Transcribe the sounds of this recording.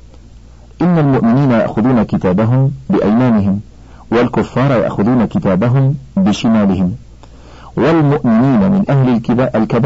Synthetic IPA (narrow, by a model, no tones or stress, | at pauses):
ʔɪnːalmʊʔmɪniːnaja̰ʔxʊðuːnakɪt̪aːbaɦʊmbɪʔajmaːnɪɦɪm | walkʊfːɑːɾˤɑja̰ʔxʊðuːnakɪt̪aːbaɦʊmbɪʃɪmaːlɪhɪm | walmʊʔmɪniːnamɪnʔahlɪlʔalkab